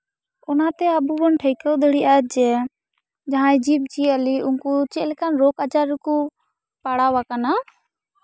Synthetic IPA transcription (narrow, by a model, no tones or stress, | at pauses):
ʊnaːt̪ɛːəbuːbənʈʰəikəwd̪əɽiːaːd͡ʒɛː | d͡ʒaɦãːd͡ʒiːb̚t͡ʃiːəliːʔʊŋkut͡ʃeːlkanɾoːkat͡ʃaːɾkuː | paɽaːʋaːkanaː